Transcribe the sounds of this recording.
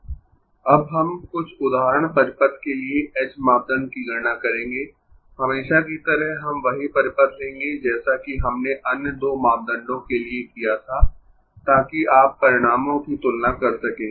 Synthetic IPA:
ɐbɦɐmkʊt͡ʃʰʊd̪aːɦɾəɽ̃pɐɾɪpət̪kelieʔɛːsmaːp̚d̪ə̃ɳɖ̚kiɡɐɾnakɐɾẽːŋɡeː | hɐmeːʃakit̪ɐɾəɦɦɐmʋɐɦipɐɾɪpət̪lẽːŋɡed͡ʒɛːsakiɦɐmneʔɐnjəd̪oːmaːp̚d̪ə̃ɳɖõkeliekijat̪ʰaː | t̪aːkiaːpːɐɾɪɽ̃aːmõkit̪ʊlnakɐɾsɐkẽː

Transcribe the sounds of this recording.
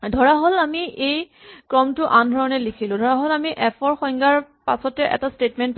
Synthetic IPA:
dʱɔɹaɦolamiʔej | kɹɔmtʊʔandʱɔɹɔnɛlikʰilʊ̃dʱɔɹaɦolamiʔɛpʰɔɹxɔj̃ŋɡaɹpasɔtɛʔɛ̰tastetmɛnt

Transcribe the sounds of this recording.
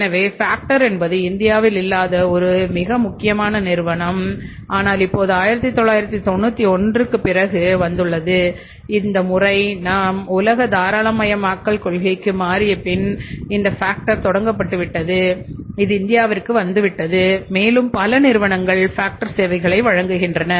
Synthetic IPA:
nɐʋeːfaːk̚ʈɐɾɛnbɐðɯɪnd̪ɪjaːʋɪlɪlːaːðɐɔɾɯmɪɣɐmʊkːɪjɐmaːnɐnɪɾɯʋɐɳɐm | ʔaːnaːlɪpːoːðɯaːjɪɾɐt̪ːit̪ːɔɭːaːjɪɾɐt̪ːit̪ɔnːut̪ːiɔndrɯkːɯpːɪrɐɣɯʋɐnd̪ɯɭːɐðɯ | ɪnd̪ɐmʊrɐɪnaːmʊlɐɣɐd̪aːɾaːɭɐmɐjɐmaːkːɐɭkɔɭɣɐɪkːɯmaːɾɪjɐpɪnɪnd̪ɐfaːk̚ʈɐɾt̪ɔɽɐŋɡɐp̬ːɐʈːɯʋɪʈːɐðɯɪðɯɪnd̪ɪjaːʋɐɾkːɯʋɐnd̪ɯʋɪʈːɐðɯmeːlɯmpɐlɐnɪɾɯʋɐɳɐŋɡɐɭfaːk̚ʈɐɾseːʋɐɪɣɐɭɐɪʋɐɻɐŋɡɯɣɪndrɐnɐ

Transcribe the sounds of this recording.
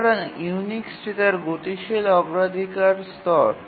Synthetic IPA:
ɽanuwniksɾit̪aɾɡot̪iʃelɔɡɾad̪ʱikaɾst̪ɔɾ

